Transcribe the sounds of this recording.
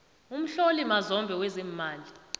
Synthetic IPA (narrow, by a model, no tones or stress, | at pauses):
um̩ɬolimazɔmbʱɛwɛziːmaːli